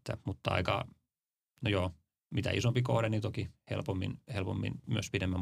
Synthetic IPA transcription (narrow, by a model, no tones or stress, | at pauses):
t̪ːæ̰mut̪ːɑɑ̰ikɑ̰ | nojoː | mit̪æ̰isompikohɾenit̪okihḛlpomːḭnhelpo̰mːḭnmyøspidemːæm